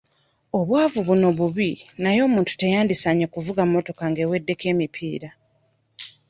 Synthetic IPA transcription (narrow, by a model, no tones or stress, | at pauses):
o̞βwaːvuβuno̞βuβinajo̞ːmuːntu̥tejaːndisaɲekuvuɡammːo̞to̞kaŋɡe̞we̞dːe̞ke̞ːmipʰiːɾa